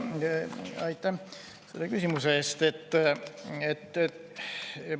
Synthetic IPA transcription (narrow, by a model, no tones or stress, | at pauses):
ɑjt̪ːˑæ | selːekysimuseːst̪et̪ː | et̪ː